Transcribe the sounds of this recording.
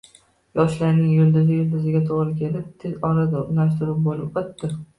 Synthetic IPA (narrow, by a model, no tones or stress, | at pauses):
jɒʃlaɾnɪŋjʊld̪ɪzɪjʊld̪ɪzɪɡʲat̪ʰoʁɾɪkʲʰelɪp̚ʲt̪ʰɪzɒɾad̪ɪʊɾnaʃt̪ɪɾɪp̚bolɪp̚bɪt̪ːɪ